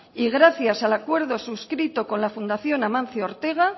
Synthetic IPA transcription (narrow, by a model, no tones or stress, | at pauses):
iɣ̞ɾaθjasalakwe̞ɾð̞o̞suskɾit̪oko̞nlafund̪aθjo̞namãnθjoɾt̪e̞ɣ̞a